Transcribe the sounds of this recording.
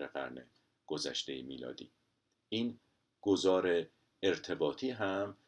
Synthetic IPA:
eɣæ̰ɾnḛ | ɡ̥ozæ̰ʃt̪e̞jemiːlɒ̰ːd̪ḭː | iːn | ɡ̥o̞zɒːɾe̞ | eɾt̪ʰe̞bɒːt̪ʰiːɦæm

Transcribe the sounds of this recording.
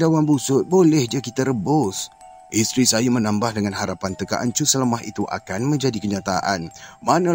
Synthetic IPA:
dawanbusʊt̪̚bolɛhd͡ʒiakit̪aɾəbʊs | ʔist̪ɾisajamənãmbahdəŋanɦaɾapant̪əka̰ʔa̰nt͡ʃusələmaɦḭt̪uʔa̰kanmə̃ɲd͡ʒadikəɲãt̪aʔa̰nmanã

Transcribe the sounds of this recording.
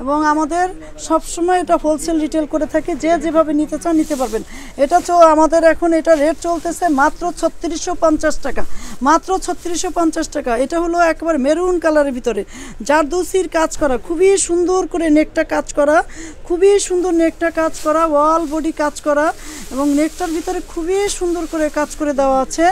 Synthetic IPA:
eboŋamad̪eɾ | ʃɔbʃomɔeeʈafolsʰelɖiʈelkoɾet̪ʰaked͡ʑed͡ʑebʱabenit̪et͡ɕanit̪epaɾben | eʈat͡ɕoamad̪eɾɛkʰoneʈaɾeʈt͡ɕolt̪et͡ɕʰemat̪ːɾot͡ɕʰɔt̪ːiɾiʃopɔnt͡ɕaʃʈakamat̪ːɾot͡ɕʰɔt̪ːiɾiʃopɔnt͡ɕaʃʈakaeʈaɦoloɛkebaɾemeɾunkalaɾebʱit̪oɾed͡ʑaɾd̪usiɾkad͡ʑkɔɾakʰubiʃund̪oɾkoɾenek̚ʈakad͡ʑkɔɾakʰubiʃund̪oɾnek̚ʈakad͡ʑkɔɾawalboɖikad͡ʑkɔɾaeboŋnek̚ʈaɾbʱit̪oɾekʰubiʃund̪oɾkoɾekad͡ʑkoɾed̪eoaat͡ɕʰe

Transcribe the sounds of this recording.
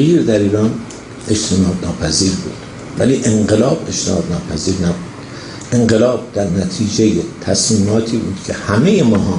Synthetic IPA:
iːɾd̪æɾiːɾɒːn | ʔeʃt̪ʰenɒːd̪nɒːpʰæziːɾbṵːd̪̥ | væliːʔeŋɢelɒːbe̞ʃt̪ʰenɒ̰ːd̪nɒːpʰæziːɾnæbud̪̥ | ʔe̞ŋɢelɒːb̚d̪̥æɾnæt̪ʰiːd͡ʒejet̪ʰæsmiːmɒːt̪ʰiːbṵːd̪̥kʰehæmejemɒːɦɒː

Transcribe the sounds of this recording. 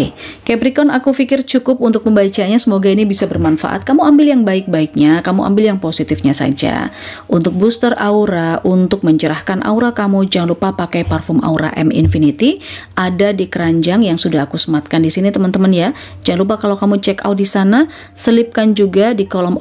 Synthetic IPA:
kɛbɾikɔnakufikɪrt͡ʃukʊp̚unt̪ʊk̚məmbat͡ʃaɲasəmoɡainibisabərmanfa̰ʔa̰t̪̚kamuambɪljaŋbaɪk̚baɪk̚ɲakamuʔa̰mbɪljaŋposit̪ɪfɲasa̰d͡ʒa̰ | unt̪ʊk̚bust̪ərauɾaʔunt̪ʊk̚məɲt͡ʃəɾahkanʔa̰uɾakamud͡ʒaŋlupapakajparfɔma̰uɾa̰ʔɛmḭnfinit̪iʔadadikəɾaɲd͡ʒaŋjaŋsudaɦkusəmat̪̚kandisinit̪əmənt̪əmənja | d͡ʒaŋlupakalawkamut͡ʃɛka̰wt̪̚disana | səlɪp̚kand͡ʒuɡadikɔlɔm

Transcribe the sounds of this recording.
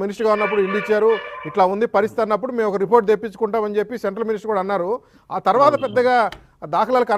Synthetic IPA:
minisʈɐɾɡaːunːɐp̬ːuɽuiɳɖit͡ʃːaːɾuiʈlaːund̪ipɐɾist̪it̪ɐnːɐp̬ːuɽumeːmɔkɐɾipo̞ːɾʈ̚d̪epːit͡ʃːu̥kuɳʈaːmɐnd͡ʒe̞pːiseɳʈɾɐlminis̬ʈɐɾkuːɽaːnːaːɾu | aːt̪ɐɾuʋaːt̪ɐpɛd̪ːɐɡaː | d̪aːkʰɐlaːlukɐ

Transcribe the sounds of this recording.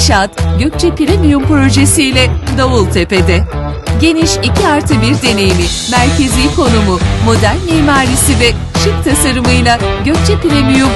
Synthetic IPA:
ʃat̪ɟø̞c̚t͡ʃʰɛpʰiɾemijumpɾo̞ʒesijlʲɛd̪oulˠt̪ʰe̞pe̞d̪ɛ | ɟe̞niʃicʰiaɾt̪ʰɯbiɾd̪e̞ne̞jimi | mæɾcʰe̞zʲikʰo̞numumo̞d̪ælʲmiːmaːɾisivɛ | ʃik̚t̪ʰasaɾɯmɯjlˠaɟø̞c̚t͡ʃʰɛpiɾemijum

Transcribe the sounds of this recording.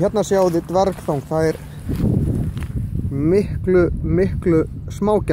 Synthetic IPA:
jɛt̪nasjaːwðɪt̪vɛɾkθowŋkθaðɛɾ | mɪhklʏmɪhklʏsmaːwcɛ

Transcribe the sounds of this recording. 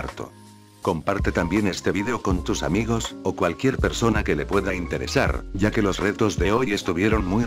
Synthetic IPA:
ɾt̪o̞̰ | ko̞mpaɾt̪e̞t̪ambje̞ne̞st̪e̞βiðeo̞ko̞nt̪usa̰miɣ̞o̞so̞kwalkje̞ɾpe̞ɾso̞nake̞le̞pwe̞ðaint̪e̞ɾe̞̰sa̰ɾɟ͡ʝake̞lo̞sre̞t̪o̞zðe̞o̞je̞st̪uβje̞ɾo̞nmuj

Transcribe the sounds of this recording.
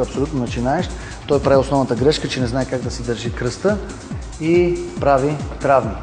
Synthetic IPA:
ɐpsolʲut̪nonɐt͡ʃinaɛʃt̪ | t̪ɔjpɾaviosnɔvnət̪əɡɾɛʃkət͡ʃɛnɛznaɛkaɡ̚d̪ɐsɛd̪əɾʒikɾɤst̪ə | ipɾavit̪ɾavni

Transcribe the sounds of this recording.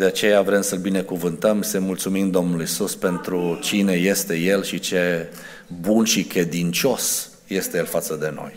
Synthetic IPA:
d̪̥e̞at͡ʃe̞javɾemsəlbine̞kuvɨnt̪əmsemult̪sumimd̪o̞mnulujsuspe̞nt̪ɾut͡ʃine̞je̞st̪e̞je̞lʃit͡ʃe̞ | bunʃikɾe̞d̪int͡ʃo̞s | je̞st̪e̞jelfat̪səd̪e̞no̞̰j

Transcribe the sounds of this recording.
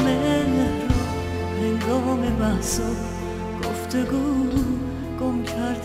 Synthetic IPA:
meneɾɔ | heŋɡɔːmebæhsɔ | ɡ̥oft̪ʰeɡulu | ɡ̥omcʰæɾd̪

